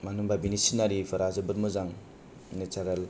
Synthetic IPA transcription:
manɯmbabinisinaɾifʰaɾazɯbɯt̚mɯzaŋ | net͡ʃaɾal

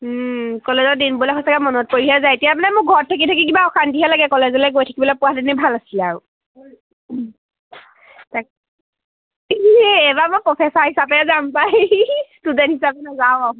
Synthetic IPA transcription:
kɔlezɔdinbulɛxɔsakɛmɔnɔt̚poɹiɦazajetijamanɛmʊk̚ɡʱɔɹtʰːak̬itʰakikibaɔkantiɦɛlaɡɛkɔlezɔlɛɡojtʰḁkibɔlɔpʊadinɛbʱalasilaɹʊ | tak | ɛbamopɹɔpʰɛsaɹhisabɛzampajtuzɛnhisapɛnazaʊa

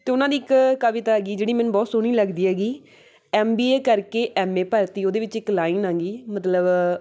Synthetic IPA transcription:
t̪eːʊnãːd̪iːɪkkəʋɪt̪aːɡiːd͡ʒeːɽiːmɛnbɔːt̪sʊɽ̃iːləɡd̪iːɛːɡiː | ɛːmbiːeːkəɾkeːʔɛːmeːpəɾt̪iːoːd̪eːʋɪt͡ʃɪklaːinãːŋɡiːmət̪ləb

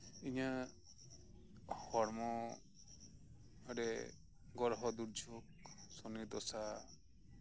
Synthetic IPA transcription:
iɲa | hɔɽmɔ | aɽɛ | ɡɔɾɦɔd̪uɾd͡ʒʱɔk̚sɔnit̪ɔsa

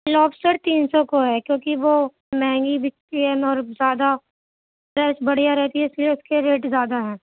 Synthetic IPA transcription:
lɔːbsʈəɾt̪iːnsɔkoɦɛkjõːkiʋo | mɛ̃ːŋɡibʱɪk̚t̪iɦɛ̃ɔːɾzjaːd̪a | pɾɛsbɐɽ̤ijaɾɛɦt̪iɦɛ̃ɪslieʊskeɾeːʈzjaːd̪aɦɛ̃ː

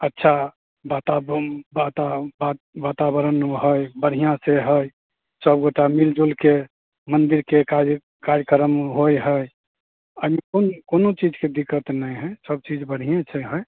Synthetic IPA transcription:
ətːʃʰa | bat̪abbat̪aba | bat̪abəɾənɦəjbəɽ̤ijãseɦəj | səbɡoʈamild͡ʒolke | mənd̪iɾkeka | kaɾkəɾəmɦojɦəj | əɦimekonkonot͡ʃid͡ʒked̪ikːət̪nəjɦəjsəb̚t͡ʃid͡ʒbəɽ̤ijẽt͡ʃʰɛɦəj

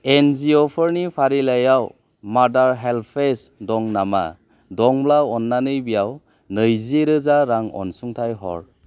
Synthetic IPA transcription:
enziɔpʰɔɾnipʰaɾilajaw | madaɾɦelpʰesdɔŋnama̰ | dɔŋblaɔnːanɯjbijaw | nɯjziɾɯzaɾaŋɔ̰nsuŋtʰajɦɔ̰ɾ

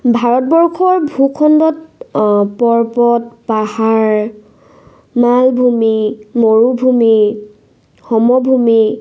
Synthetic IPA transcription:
bʱaɹɔt̚bɔɹkʰɔɹbʱukʰɔndɔt | pɔɹpɔt̚pahaɹ | malbʱumimoɹubʱumi | xɔmɔbʱumi

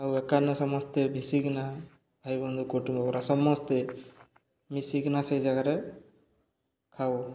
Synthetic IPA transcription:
awɛkanɔsɔmɔst̪ebʱisiɡna | b̥ʱajbɔnd̪ukoʈumbɔkɔɾasɔmɔst̪e | misiɡnasejd͡ʒaɡaɾɛ | kʰaw

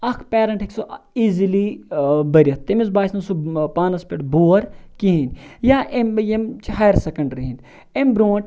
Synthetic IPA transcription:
ɐkʰpeːɾɐɳʈiksoizilibɐɾʲɐt̪ːemizbaːsnɐnsupaːnɐspʲeʈbuːɐɾkiɦinjaːʔemjemt͡ʃhɐjɾsɐkɐɳɖɾiɦind̪ | embɾoːɳʈ

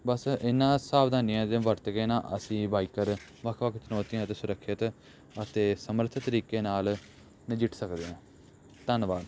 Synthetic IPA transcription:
bəsɪnːãːsaːʋd̪ʱaːnijãːd̪ẽːʋəɾt̪ɡeːnãːʔə̰sĩːbaːiːkəɾ | ʋəkʰʋəkʰt͡ʃənɔːt̪ijãːt̪eːsʊɾəkʰːɪt̪ | ət̪eːsəmɾət̪ʰt̪əɾiːkeːnaːl | nɪd͡ʒɪʈʰsəkd̪eːãː | t̪ənʋaːd̪

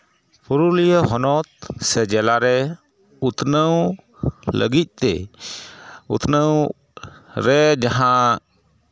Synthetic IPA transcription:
pʰuɾulijəɦɔnɔt̪̚sɛd͡ʒɛlaɾɛ | ut̪nəw | lə̰ɡit̪̚ˀt̪ɛ̰ | ṵt̪nəw | ɾɛd͡ʒaɦã

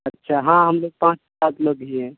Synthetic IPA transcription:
ətːʃʰaɦãɦəmloɡ̚pãːt͡ʃ | aːkləɡɦiɛ̃

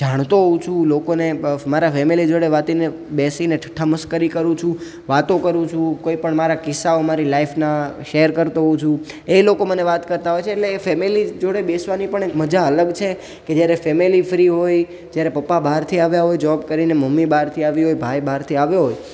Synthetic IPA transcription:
d͡ʒaɽ̃t̪oɦũt͡ʃʰũlokonemaɾafɛmilid͡ʒoɽeʋat̪ine | besineʈʈʰəməskəɾikəɾũt͡ʃʰũ | ʋat̪okəɾũt͡ʃʰũkoipəɳmaɾakɪsːaomaɾilaifnaʃeəɾkəɾt̪oɦũt͡ʃʰũ | elokoməneʋat̪kəɾt̪aɦojt͡ʃʰeːʈleːfɛmilid͡ʒoɽebesʋanipəɳekməd͡ʒaələɡt͡ʃʰe | ked͡ʒjaɾefɛmilifɾiɦoj | d͡ʒjaɾepəpːabaɦɾt̪ʰiaʋjaɦojd͡ʒəʋab̚kəɾineməmːibaɾt̪ʰiaʋiɦojbʱajbaɦɾt̪ʰiaʋjoɦoj

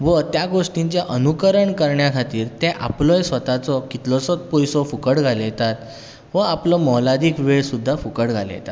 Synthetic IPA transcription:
ʋət̪jaɡoʂʈiɲt͡ɕaʔənukəɾəɳkəɾɳjakʰat̪iːɾt̪eʔa̰plɔjsʋət̪at͡sɔkit̪lɔsɔt̪̚pojsɔfukəɽɡʱaljet̪at̪ | ʋəaplɔmɔwlad̪iːkʋeɭsud̪ʱːafukəɽɡʱalə̰jɛ̰t̪at̪

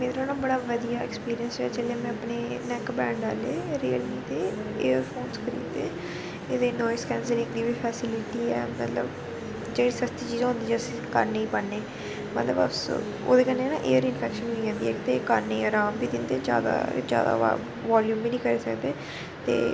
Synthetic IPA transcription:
meːt̪ɾoːnaːbəɽaːʋəd̪ijaːɛkspiːɾiənsɛːt͡ʃeːleːmɛ̃əpneːnɛkbɛ̃ːɳɖaːleːɾiːəlniːt̪eːeːəɾfʰoːnskʰəɾḭːd̪eː | eːd̪eːnɔːjɪskɛːnslɪ̃ŋɡd̪iːʋiːpʰɛːsɪlɪʈiːɛːmə̰t̪ləb | d͡ʒeːɽiːsəst̪iːt͡ʃiːzãːɦʊ̃nd̪iːd͡ʒsĩkə̰ɾneiːpəɽneː | mət̪ləbə̰s | o̰ːd̪eːkənːeːnãːʔeːəɾɪnfʰɛːkʃənoid͡ʒɛ̃ːnd̪iːɛːkt̪eːkəɾneːəɾãːmbiːd̪ɪnd̪eːd͡ʒja̰ːd̪a̰ːd͡ʒja̰ːd̪a̰ːa̰ | ʋaːljuːmbiːnĩːkəɾeːsəkd̪eː | t̪ḛː

